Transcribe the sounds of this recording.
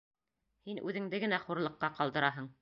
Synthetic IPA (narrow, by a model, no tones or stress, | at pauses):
hinʔʉðɘ̆ŋd̪ɘɡɘ̆næχuɾlˠɤ̆qːɑqɑlˠd̪ɤ̆ɾɑɦɤɴ